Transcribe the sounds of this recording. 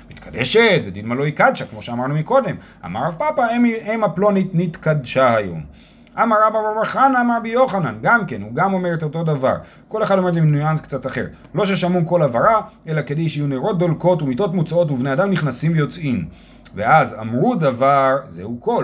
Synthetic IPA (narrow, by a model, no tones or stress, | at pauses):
mit̪kʰad̪eʃet̪bed̪idmalo̞ikad̪ʃakmo̞ʃeamaʁnumiko̞d̪e̞m | a̰maʁavpapaemaplo̞nitnit̪kad̪ʃahajo̞̰m | ʔamaʁabababaχanaːmaʁbijo̞χananɡamke̞nuɡamo̞meʁetot̪odava̰ʁ | ko̞leχad̪ometzeminujanskt͡sat̪aχe̞̰ʁ | lo̞ʃeʃamuko̞lavaʁae̞lake̞d̪ejʃeajuneʁo̞t̪̚d̪olko̞tumito̞tmut͡sao̞t̬uvnead̪amniχnasimvejo̞t͡sʔim | veaza̰mʁudavaʁzḛuko̞l